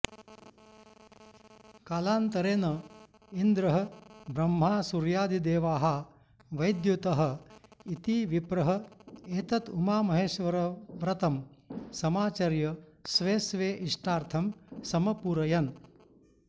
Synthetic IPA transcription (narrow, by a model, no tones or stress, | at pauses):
kaːlaːnt̪ɐɾeːnɐ | ind̪ɾɐɦɐ̆bɾɐmɦaːsuɾjaːd̪id̪eːʋaːɦɐ | ʋɐjd̪jut̪ɐɦɐ̆it̪iʋipɾɐɦɐeːt̪ɐt̪umaːmɐɦeːʃʋɐɾɐʋɾɐt̪ɐmsɐmaːt͡ʃɐɾjɐsʋeːsʋeːʔiʂʈaːɾt̪ʰɐmsɐmɐpuːɾɐjɐn